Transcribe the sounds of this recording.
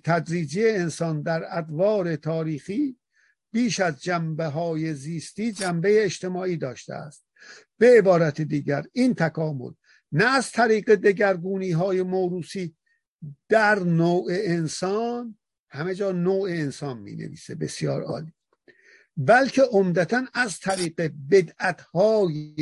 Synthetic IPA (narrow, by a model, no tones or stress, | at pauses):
t̪ʰæd̪ɾiːd͡ʒijeːnsɒnd̪æɾæd̪vɒːɾe̞t̪ʰɒːɾiːxiː | b̥iːʃæzd͡ʒæmbeɦɒːje̞ziːst̪iːd͡ʒæmbe̞jeːʃt̪e̞mɒːiːd̪ɒːʃt̪ḛæ̰st̪̚ | b̥e̞ːebɒːɾæt̪ʰed̪iːɟæɾiːnt̪ʰækʰɒːmo̰l | næːzt̪ʰæɾiːɢe̞d̪e̞ɟæɾɡuːniːɦɒːje̞moɾuːsiː | d̪̥æɾnoːʔeːnsɒːn | hæme̞d͡ʒɒːnoːeːnsɒːnmḭːnḛvḭːsebe̞sijɒ̰ːɾɒ̰ːliː | bælkʰe̞ʔomd̪æt̪ʰænæzt̪ʰæɾiːɢebe̞d̪æt̪hɒːje